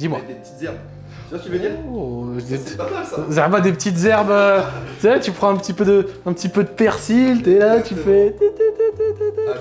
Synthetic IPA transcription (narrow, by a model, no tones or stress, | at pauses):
d̪imwat̪iɛb | d̪e | zɛʁbad̪epət̪it̪zɛʁbøysɛt̪ypχɑ̃ɛ̃pət̪ipød̪əɛ̃pət̪ipød̪əpɛʁsilt̪ɛlat̪yfɛt̪t̪t̪t̪t̪